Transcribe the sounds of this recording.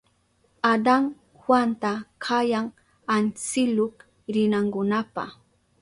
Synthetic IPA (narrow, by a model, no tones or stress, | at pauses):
ad̪aŋ | hwant̪akʰajaŋ | ant͡sɪlok | ɾɪnaŋkʊnapa̰χ